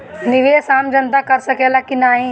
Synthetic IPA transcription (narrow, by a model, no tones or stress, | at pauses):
nɪʋeːsãːmd͡ʑɐnt̪akɐɾɪsɐkʰelakɪnaːɦĩː